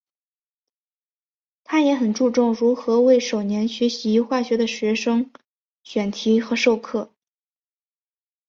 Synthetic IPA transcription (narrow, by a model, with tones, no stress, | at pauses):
t̪ʰa˥jɛ˧˥xə˨˩nʈ͡ʂu˥˧ʈ͡ʂʊ˥˩ŋɻu˧˥xɤ˧˥we˥˩ɪʂo˨˩ʊnjɛ˧˥nɕɥɛ˧˥ɕi˧˥xwa˥˩ɕɥɛ˧˥d̪ə˨ɕɥɛ˧˥ʂɤ˥ŋ | ɕɥɛ˨˩nt̪ʰi˧˥xɤ˧˥ʂo˥˧ʊkʰɤ˥˩